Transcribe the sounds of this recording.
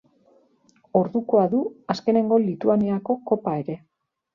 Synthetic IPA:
o̞ɾðuko̞aðuaske̞ne̞ŋɡo̞lit̪uaniako̞ko̞pae̞ɾe̞

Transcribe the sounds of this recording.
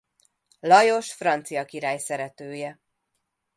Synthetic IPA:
lɒjo̞ʃfrɒnt̪sijɒkiɾaːjsɛɾɛt̪øːjɛ

